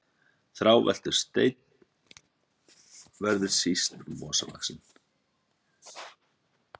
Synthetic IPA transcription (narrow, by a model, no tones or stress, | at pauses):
θɾawvɛ̰l̥t̪ʏɾ̥st̪ḛːjt̪̚n | vɛɾðʏ̥sist̪vɔːsava̰ksɪn